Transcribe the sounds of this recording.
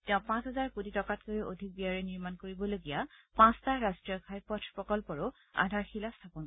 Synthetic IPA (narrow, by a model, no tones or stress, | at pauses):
tɛ̃ʊ̃pãsɦɛzaɹkuditɔkatkojeʔodʱik̚biaɹɛniɹmankoɹibɔloɡijapãstaɹastɹijɔkʰajpɔtʰpɹɔkɔlpɔɹʊ | a̰dʱaɹxilastʰapɔn